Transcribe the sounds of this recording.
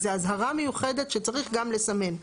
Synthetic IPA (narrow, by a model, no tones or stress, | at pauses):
zeazɦaʁamejuχe̞d̪e̞tʃet͡saʁiχɡamle̞same̞n